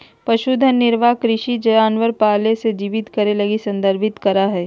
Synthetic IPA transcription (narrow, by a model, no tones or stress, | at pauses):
pɐʃud̪ʱənːɪɾʋakɾɪʃid͡ʒɐjaːnʋəɾpaːlesed͡ʒiːʋɪt̪kɐɾelɐɡisɐ̃nd̪əɾbʱɪt̪kɐɾaɦɛː